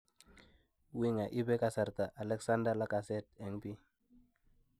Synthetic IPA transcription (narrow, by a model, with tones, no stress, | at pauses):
wi˦ŋa˨ʔi˦bɛ˦ka˨sa˨ɾta˨ʔa˨lɛ˦ksa˦nda˦la˦ka˨sɛ˦tɛ˨ŋpi˦